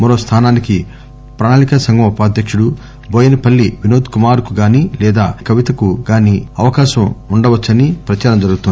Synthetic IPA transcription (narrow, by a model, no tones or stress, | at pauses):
mɐɾoːst̪ʰaːnaːniki | pɾaːnaːlikɐsɐŋɡɐmupaːd̪ʱjɐkʂuɽu | bʱoːjɐnipɐlːiʋinoːt̪kumaːɾkuɡaːnilɛːd̪aːkɐʋit̪ɐkuɡaːniɐʋɐkaːʃɐmuɳɖɐʋɐt͡ʃːɐnipɾɐt͡ʃaːɾɐmd͡ʒɐɾuɡut̪uni